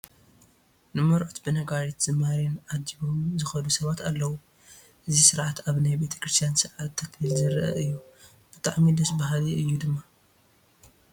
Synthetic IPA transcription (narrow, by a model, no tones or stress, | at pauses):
nɨmɐɾʔot̪bɨnɐɡaɾit̪z̥ɨmaɾinʔad̪iβomzɨxɐd̪usɐβat̪alːɐwu | ʔɨzisɨɾʕat̪aβnajbe̞t̪ʰɐ̥kɾɨst̪ʰijansɨɾʕat̪t̪ʰːɐkilzɨɾʔɐ̰ʔɨjːu | b̥ɨt̪ʼaʕmid̪ɐsbahliɨjːud̪ɨmːa